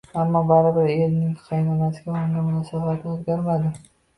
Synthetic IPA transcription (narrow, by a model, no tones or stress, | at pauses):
amːɒbaɾɪbɪɾeɾnɪŋqʰɑjnɒnasɪɡʲaoɪŋɡʲamʊnɒsabat̪ʰozɡʲaɾmad̪ɪ